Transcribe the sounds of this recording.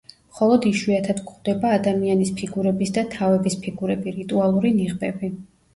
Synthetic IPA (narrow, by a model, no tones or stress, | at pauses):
mχɔlˠɔd̪iʃwiat̪ʰad̪kʼχd̪ɛbaːd̪amianispʰiɡuɾɛbisd̪at̪ʰavɛbispʰiɡuɾɛbiɾit̪ʼualˠuɾiniʁbɛbi